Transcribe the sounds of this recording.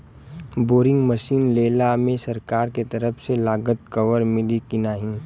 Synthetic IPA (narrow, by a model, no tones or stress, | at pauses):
boːɾɪ̃ŋɡməʃiːnleːlamẽsɐɾkaːɾket̪ɐɾəfʰselaːɡət̪̚kɐʋəɾmɪlikɪnaːɦĩː